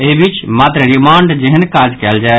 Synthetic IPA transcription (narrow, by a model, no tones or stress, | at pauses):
ebit͡ʃmaːt̪ɾəɾɪmaːɳɖd͡ʒeɦənkaːd͡ʒkɛːld͡ʒae